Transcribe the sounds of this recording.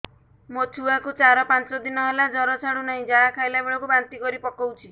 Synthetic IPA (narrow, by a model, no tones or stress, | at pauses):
mot͡ʃʰuakut͡ʃaɾɔpant͡ʃɔd̪inɔɦelad͡ʒɔɾɔt͡ʃʰaɽ̃unaɦĩd͡ʒaɽakʰajlabeɭɔkubant̪ikɔɾipɔkɔwt͡ʃʰi